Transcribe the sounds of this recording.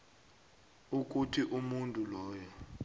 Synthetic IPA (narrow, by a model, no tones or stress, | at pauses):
uk̬ʼutʰiʔumuntʼulɔːjɔ